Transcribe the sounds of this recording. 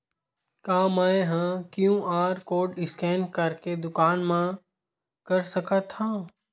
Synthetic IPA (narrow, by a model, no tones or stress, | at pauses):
kaːmaeɦãkjũʔaːɾkoːɖɪskɛːnkɐɾked̪ʊkaːnmã | kɐɾsɐkət̪hãː